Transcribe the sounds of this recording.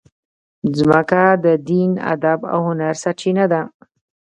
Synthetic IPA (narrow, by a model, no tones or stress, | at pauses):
zməkad̪əd̪ina̰d̪aba̰whʊnaɾsat͡ʃinad̪a